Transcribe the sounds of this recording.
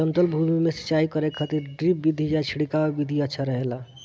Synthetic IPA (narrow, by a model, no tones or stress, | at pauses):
ənt̪əlbʱumimesə̥t͡ʃaikəɾekʰat̪iɾɖɾip̚bid̪ʱid͡ʒat͡ʃʰiɽikaebid̪ʱiətːʃʰaɾəɦela